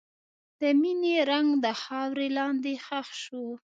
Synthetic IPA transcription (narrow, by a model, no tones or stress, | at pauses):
d̪̥əmineɾaŋɡd̪əxɑwɾelɑnd̪exaxʃo